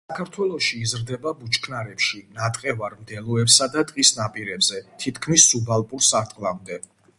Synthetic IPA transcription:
akʰaɾt̪ʰwɛlˠɔʃiːzɾd̪ɛbabut͡ʃʰʼkʰnaɾɛpʃinat̪ʼqʼɛvaɾmd̪ɛlˠɔɛpsad̪at̪ʼqʼisnapʼiɾɛbzɛt̪ʰit̪ʰkʰmisːubalˠpʼuɾsaɾt̪ʼqʼlˠamd̪ɛ

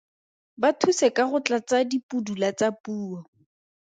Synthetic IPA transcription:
batʰusɛkaχʊt͡ɬat͡sadipudulat͡sapuːɔ

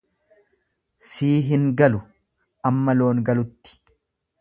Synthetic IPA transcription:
siːɦɪŋɡɐlʊ | ʔɐmːɐlo̞ːŋɡɐlʊt̪ːɪ̥

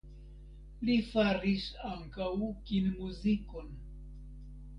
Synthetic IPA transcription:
lifaɾisaŋkawkinmuziko̞n

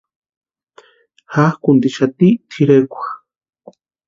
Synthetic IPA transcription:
hahkunt̪iʃat̪it̪ʰiɾekʷḁx

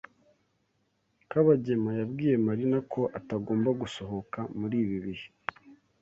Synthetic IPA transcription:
kaβaɟe̞majabɡiːje̞maɾinakʰo̞ʔataɡo̞ːmbaɡuso̞ɦo̞kamuɾiːβiβihi

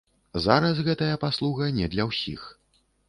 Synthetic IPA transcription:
zaɾɐsɣɛt̪ɐjɐpaslˠuɣɐnʲɛd̪lʲɐwsʲix

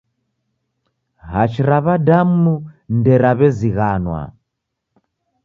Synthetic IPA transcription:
ɦat͡ʃiɾaβadamundɛɾaβɛziɣanwa̰

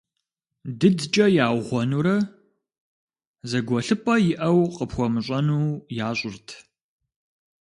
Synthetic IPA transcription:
dɨdt͡ʃʼɐjaːwʁʷɔnuɾɐ | zɐɡʷɔɬɨpʰʼɐjɪʔɐwqəpxʷɔmɨɕʼɐnuːjaːɕʼʊrtʰ

